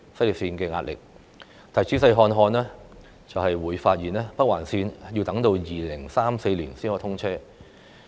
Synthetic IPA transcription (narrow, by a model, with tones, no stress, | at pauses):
sɐ˥jli˨p̚siː˧nkɛː˧ŋaː˧t̚lɪ̰˨k̚ | t̪ʰɐ˨˩jt͡sʰiː˥s̬ɐ˧jɦɔː˧nɦɔː˧nɛː˥ | t͡sɐ˨whɐ˨jwuː˨˧jfaː˧t̚jiː˨˩nɛː˥pɐ˥k̚waː˨˩nsiː˧nji˧wt̪ɐ˨˥ŋt̪o˧wjiː˨lɪ˨˩ŋsaː˥mse˧jliː˨˩nsiː˥nhɔː˧˩t̪ʰʊ˥ŋt͡sʰɛː˥